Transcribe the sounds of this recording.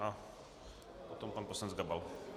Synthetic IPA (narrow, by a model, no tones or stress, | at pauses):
a | pot̪ɔmpanposlanɛd͡zɡabal